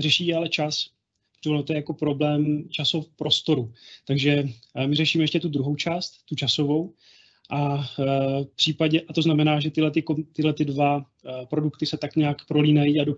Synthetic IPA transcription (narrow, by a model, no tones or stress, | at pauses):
rɛʃiːalɛt͡ʃas | iot̪ojɛjako̞pɾo̞blɛːmt͡ʃasopɾo̞st̪o̞ɾut̪aɡʒɛmɪrɛʃiːmɛjɛʃcɛt̪ud̪ɾuɦo̞wt͡ʃaːst̪ːut͡ʃasovo̞w | ʔa | fpr̝̥iːpaɟɛʔat̪o̞znamɛnaːʒɛt̪ɪlɛt̪ɪkot̪ɪɦlɛt̪ɪdva | pɾo̞dukt̪ɪsɛt̪akɲaakpɾo̞liːnajiːado